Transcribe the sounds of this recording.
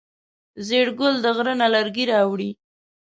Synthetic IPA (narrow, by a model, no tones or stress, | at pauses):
zeɽɡʊld̪əɣɾənalaɾɡiɾɑwɽi